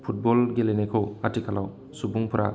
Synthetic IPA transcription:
pʰut̚bɔlɡelenekʰowatʰikʰalaw | subuŋpʰɾʔa̰

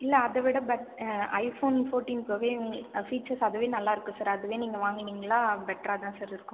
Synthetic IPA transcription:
ɪlːɐɐðɐʋɪɽɐbɛʈɐɪfoːnfoːɾʈiːnpoːʋeːfiːt͡ʃːɐɾsɐðɯʋeːnɐlːaːɪɾɯkːɯ̃saːɾɐðɯʋeːniːŋɡɐʋaːŋɡɪniːŋɡɐɭãːbɛʈːɾat̪ãːsaːɾɪɾɯkːɯ̃m

